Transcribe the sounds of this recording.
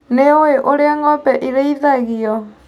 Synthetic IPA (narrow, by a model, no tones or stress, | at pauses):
neoeʔoɾeaŋɡɔpɛʔiɾeiðaɣiɔ